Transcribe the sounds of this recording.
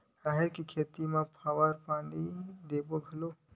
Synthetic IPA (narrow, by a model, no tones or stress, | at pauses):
aːɦeɾkikʰeːt̪imẽpʰaːʋəɾpãːɳɖid̪eːboɡʱəlo